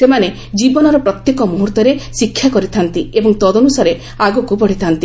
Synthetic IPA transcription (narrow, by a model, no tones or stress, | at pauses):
semane | d͡ʒibɔnɔɾɔpɾɔt̪jekɔmuɦuɾt̪ɔɾesikʰjakɔɾit̪ʰant̪iebɔŋt̪ɔd̪ɔnusaɾe | aɡɔkupɔɽ̤it̪ʰant̪i